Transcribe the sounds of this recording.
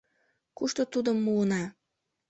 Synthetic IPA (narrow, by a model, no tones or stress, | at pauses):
kuʃt̪ot̪ud̪əmːuənɑ